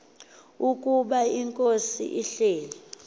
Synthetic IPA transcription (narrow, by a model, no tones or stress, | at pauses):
ukʼuɓaiŋkʼosḭʔiɬeːlɛ